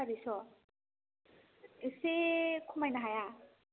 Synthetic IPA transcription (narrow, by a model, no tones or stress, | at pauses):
abisɔ | esekʰumajnaɦaja